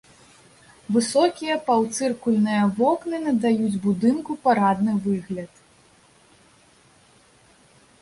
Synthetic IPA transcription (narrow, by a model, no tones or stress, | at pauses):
vɨsɔkʲijɐpawt̪sɨrkulʲnɨjɐvɔknɨnɐd̪ajud͡zʲbud̪ɨnkupaɾad̪nɨvɨɣlʲɐt̪